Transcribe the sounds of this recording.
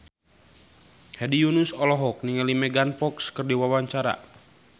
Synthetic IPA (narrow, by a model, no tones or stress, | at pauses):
hɛdijunusɔlɔɦɔk̚niŋalimɛɡanpɔkskɨrdiwawaɲt͡ʃaɾa̰